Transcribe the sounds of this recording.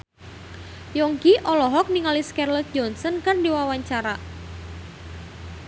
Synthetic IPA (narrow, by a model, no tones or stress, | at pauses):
jɔŋkiʔɔlɔɦɔk̚niŋaliskɛrlɔt̪̚d͡ʒɔnsɔnkardiwawaɲt͡ʃaɾa